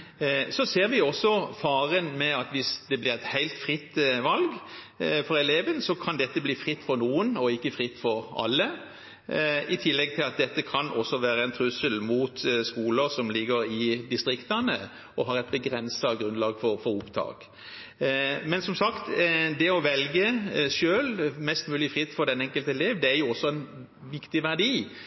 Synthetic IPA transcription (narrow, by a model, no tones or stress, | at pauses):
sɔseːʁʋɪɔsɔfɑːɾənmɛɑt̪ʋɪsd̪ɛblɪʁɛt̪hæɪlt̪fʁɪt̪ːʋɑlɡ | fɔʁɛleːʋənsɔkʰɑnd̪ɛt̪ːəbliːfʁɪt̪ːfɔɾnuːənɔɪkːəfɾɪt̪ːfɔɾɑ̰lːə | ɪt̪ʰɪlːɛɡ̚t̪ʰɪlɑt̪̚d̪ɛt̪ːəkʰɑnʔɔsːɔʋæːɾəɛnt̪ʰʁʉsəlmuːt̪skuːləɾsɔmlɪɡəɾɪd̪ɪst̪ɾʁɪkt̪ɑnə̰ | ɔɦɑʁɛɪt̪̚bəɡɾɛnsɑɡɾʉnlɑːɡfɔɾfɔɾʊpd̪ʰɑ̰ːk | mɛnsɔmsɑkt̪d̪ɛɔʋɛlɡəʃøːlmɛst̪mʉːlɪfʁɪt̪ːfɔɾd̪ɛnɛŋkəlt̪əɛleːʋd̪ɛæɾjʊɔsːɔɛn | ʋɪkt̪ɪʋæʁd̪iː